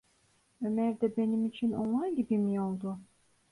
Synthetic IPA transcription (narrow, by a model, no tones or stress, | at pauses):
ømæɾd̪ɛbe̞nimit͡ʃʰino̰nlˠanɟibimijo̞lˠd̪ʊ